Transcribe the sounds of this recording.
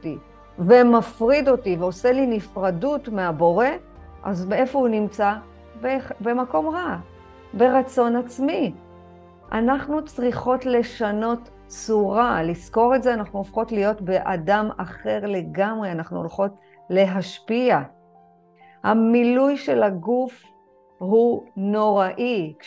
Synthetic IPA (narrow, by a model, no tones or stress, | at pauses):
ti | vemafʁido̞tiveo̞se̞linifʁadutmeabo̞ʁe̞ | ʔa̰zmee̞fo̞hunimt͡sa | bebe̞mako̞mʁa | be̞ʁat͡so̞nat͡smi | ʔa̰naχnut͡sʁiχo̞tle̞ʃano̞t | t͡suʁalisko̞ʁetze̞anaχnuofχo̞tlijo̞tbe̞ʔadamaχe̞ʁle̞ɡamʁeanaχnuo̰lχo̞t | le̞ɦaʃpia | hamilujʃe̞laɡuf | huno̞ʁaʔik